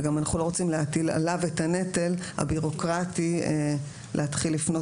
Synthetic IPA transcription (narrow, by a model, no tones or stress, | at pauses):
ɡamanaχulo̞ʁo̞t͡simleatila̰lavetane̞telha̰biʁo̞kʁati | lʔehat̪χilːifno̞